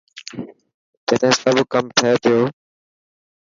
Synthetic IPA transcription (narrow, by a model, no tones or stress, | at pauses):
d͡ʒet̪ẽẽːsəbkəmt̪ʰəeːt̪ʰɪjoː